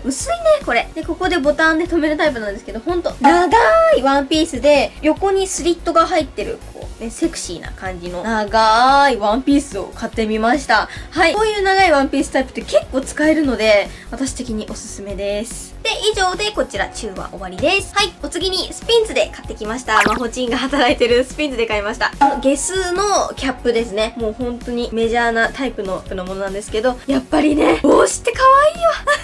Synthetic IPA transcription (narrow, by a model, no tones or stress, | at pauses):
mɯ̟sɨineko̞ɾe̞d̪̥e̞ko̞ko̞d̪e̞bo̞t̪ãnd̪e̞t̪o̞me̞ɾɯ̟t̪aipɯnãnd̪esɨ̥ke̞d̪o̞hõ̞nt̪o̞naɡaiβãmpʲiːsɨd̪e̞jo̞ko̞ɲ̟isɨɾʲit̪ːo̞ɡaɦait̪ːe̞ɾɯ̟̰kʰo̰ːne̞se̞kɯ̟̥ɕḭːna̰kãɲ̟d͡ʑino̞naɡaiβãmpʲiːsɨo̞̰kat̪ːe̞mʲimaɕi̥t̪ahaioːjɯ̟ːnaɡaiβãmpʲiːsɨ̥t̪aipɯ̟t̪ːeke̞kːo̞ːt͡sɨ̥kae̞ɾɯ̟no̞d̪e̞βat̪aɕi̥t̪e̞kʲiɲ̟iʔo̞sɨ̥sɨme̞d̪e̞sɨ̥d̪̥e̞iʑo̞ːd̪e̞ko̞t͡ɕiɾa̰t͡ɕɨːβa̰ʔo̞βaɾʲid̪e̞sɨ̥haio̞t͡sɨɡʲiɲ̟isɨ̥pʲĩnt͡sɨd̪e̞kat̪ːe̞kʲimaɕi̥t̪amaɦo̞t͡ɕĩŋɡaɦat̪aɾait̪e̞ɾɯ̟sɨ̥pʲĩnt͡sɨd̪e̞kaimaɕi̥t̪anoɡe̞sɨːno̞kʲapːɯ̟d̪e̞sɨne̞mo̞ːhõ̞nt̪o̞ɲ̟ime̞ʑaːnat̪aipɯ̟not̪ɯnomono̞nãnd̪e̞sɨ̥ke̞d̪o̞japːaɾʲine̞oːɕi̥t̪ːe̞kaβaiːβa